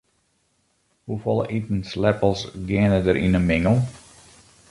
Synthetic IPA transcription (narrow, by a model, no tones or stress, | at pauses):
hufɔlˠəʔitn̩slɛpəlˠsɡɪənədəɾʔḭnənmɪŋəlˠ